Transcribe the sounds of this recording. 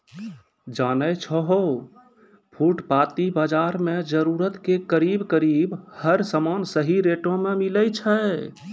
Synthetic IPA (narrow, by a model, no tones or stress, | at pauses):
d͡ʒanəjt͡ʃʰəɦo | pʰuʈpat̪ibad͡ʒaɾmed͡ʒəɾuɾət̪kekəɾibkəɾibhəɾsəmansəɦiɾeʈõmemiləjt͡ʃʰə